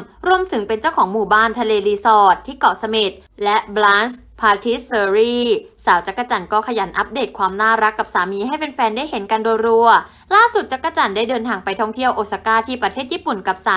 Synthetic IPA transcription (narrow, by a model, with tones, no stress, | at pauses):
ɾu˧əmt̪ʰɯ˩˦ŋpe˧nt͡ɕa˥˩wkʰɔː˩˦ŋmuː˨˩baː˥˩nt̪ʰa˧leː˧liː˧sɔː˨˩t̪ʰːiː˥˩kɔ˨˩ʔsa˧mi˨˩t̪̚ | lɛ˦˥ʔblaː˦˥ns | pʰaː˧t̪ʰi˦˥sɤː˧ɾiː˥˩saː˩˦wt͡ɕa˦˥kːa˧˩t͡ɕa˨˧˩nkɔː˥˩kʰa˧ja˩˦nʔa˦˥p̚deː˨˩t̪̚kʰwaː˧mnaː˥˩ɾa˦˥kːa˨˩p̚saː˩˦miː˧ɦa˥˩jpe˧nfɛː˧ndaː˥˩jhe˨˩˦nka˧nduː˧jɾu˧ɐ | laː˥˩su˨˩t̪̚t͡ɕa˦˥kːa˧˩t͡ɕa˨˩nda˥˩jdɤː˧nt̪ʰaː˧ŋpa˧jt̪ʰɔ˥˩ŋt̪ʰi˥˩əwʔoː˨˩t̪sa˧kaː˥˩t̪ʰiː˥˩pɾa˧t̪ʰeː˥˩jiː˥˩pu˨˩nka˨˩p̚saː˨˦